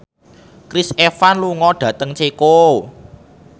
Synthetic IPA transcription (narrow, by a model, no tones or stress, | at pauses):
kɾisefanluŋɔɖ̥ä̤t̪əŋt͡ʃeko